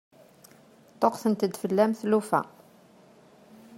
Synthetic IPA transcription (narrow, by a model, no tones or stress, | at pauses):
t̪ˤoqθənt̪əd̪fəlːæmθlufæ̰